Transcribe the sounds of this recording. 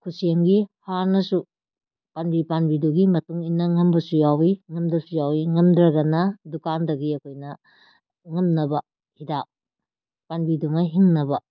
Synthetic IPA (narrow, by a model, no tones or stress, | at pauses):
kʰuseŋɡihaɾnɐsu | panbipanbiduɡimɐtuŋinːɐŋɐmbɐsujawiŋɐmdɐsujawiŋɐmdɾɐɡɐnɐdukandɐɡiɐkʰojnɐ | ŋɐmnɐbɐ | hidak̚ | panbiduŋɐɦiŋnɐbɐ